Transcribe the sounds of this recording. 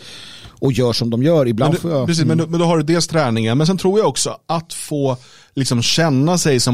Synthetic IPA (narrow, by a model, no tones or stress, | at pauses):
ʔɔjœːʂɔmd̪ɔmjœːɾɪbland̪fːjapɾɛs̬iːsmɛnd̪mɛnd̪ɔɦaɖɵd̪eːlst̪ʰɾɛːnɪŋaɾmɛns̬ɛnt̪ʰɾuːjaɔksɔʔat̪foː | lɪksɔmɕɛnːasɛjsɔm